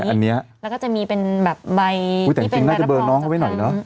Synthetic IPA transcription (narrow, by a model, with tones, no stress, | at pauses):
ʔa˧nːi˦˥ɐlɛ˦˥wkɔː˥˩t͡ɕa˨˩ʔmiː˧pe˧nbɛː˨˩p̚ba˧jt̪ɛː˨˩˧i˧ŋnaː˥˩t͡ɕa˨˩bɤː˧nɔː˦˥ŋkʰa˥˩wa˥˩nɔ˨˩jnɔ˦˥